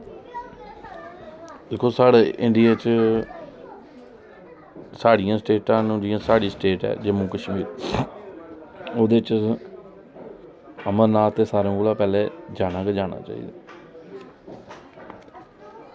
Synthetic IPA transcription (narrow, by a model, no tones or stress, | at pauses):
d̪ekʰːoːsaːɽeːʔɪɳɖijaːt͡ʃ | saːɽɪjãːsʈeːʈãːñɖijãːsaːɽiːsʈeːʈɛ̰ːd͡ʒeːmũːkəʃmiːɾ | oːd̪eːt͡ʃ | əməɾnaːt̪ːeːsaːɾẽkoːlaːpɛːleːd͡ʒaːnãːked͡ʒaːɽ̃a̰ːt͡ʃa̰ːḭːd̪aː